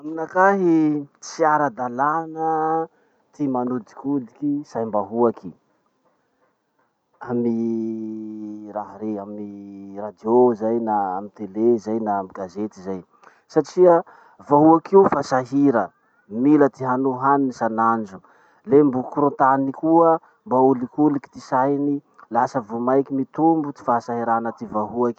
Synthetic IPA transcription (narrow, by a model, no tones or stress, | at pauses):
aminakaɦit͡siaɾad̪alanə | t̪imanud̪i̥kud̪ikisajmbaɦuaki | ami | ɾaɦɾeamirad̪iozajnaa̰mit̪elezajnamiɡazet̪izaj | saʈ͡ʂiə | vaɦuakiufasaɦiɾə | milət̪iɦanuɦaninisanand͡ʒu | lembukuɾot̪anikuə | mbaulikuliki̥t̪isajni | lasəvumajkimit̪umbut̪i̥fasaɦiɾanət̪ivaɦuaki̥